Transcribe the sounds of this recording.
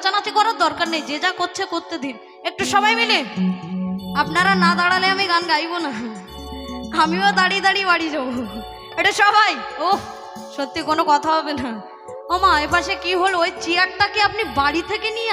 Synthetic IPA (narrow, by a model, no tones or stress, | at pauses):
t͡ɕanat͡ɕʰikɔnaɾd̪ɔɾkaɾnejd͡ʑed͡ʑakoɾt͡ɕʰekoɾt̪ed̪in | ek̚ʈuʃɔbajmile | apnaɾanad̪aɽaleamiɡanɡajbona | amiod̪aɽid̪aɽiebaɽid͡ʑabo | eʈaʃɔbʱajo | ʃot̪ːikonokɔt̪ʰaɦɔbena | omaepʰaʃekiɦolojt͡ɕiaʈ̚ʈakeapnibaɽit̪ʰekeni